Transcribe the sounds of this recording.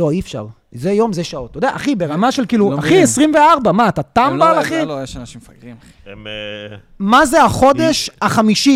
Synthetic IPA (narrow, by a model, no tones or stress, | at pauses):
lo̞ifʃa̰ʁ | zejo̞mzeʃao̞t̪ːod̪eaʔaχibeʁamaʃe̞lkiːluaχiesʁimveaʁbamaːt̪at̪ambaːlaχijeʃanaʃimfaɡʁi | mazeaχo̞d̪eʃaχamiʃi